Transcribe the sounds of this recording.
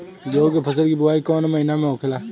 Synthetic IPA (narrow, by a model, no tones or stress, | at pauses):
d͡ʒoːɡepʰəs̬əlkiːbʊaːikɔːnməinamẽoːkʰɪlaː